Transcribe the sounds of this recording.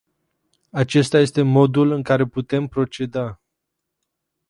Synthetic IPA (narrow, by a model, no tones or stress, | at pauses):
at͡ʃe̞st̪aje̞st̪e̞mo̞d̪ulɨŋkaɾe̞put̪e̞mpɾo̞t͡ʃe̞d̪a